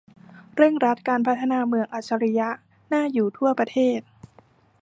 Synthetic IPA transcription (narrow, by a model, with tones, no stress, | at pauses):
ɾɯ˥˩əŋɾa˦˥t̪̚kaː˧npʰa˦˥t̪ʰːa˧naː˧mɯ˧əŋʔaː˨˩t̪̚sʰa˧ɾi˦˥ja˦˥ʔ | naː˥˩juː˨˩t̪ʰu˥˩ɐpɾa˧t̪ʰeː˥˩t̪̚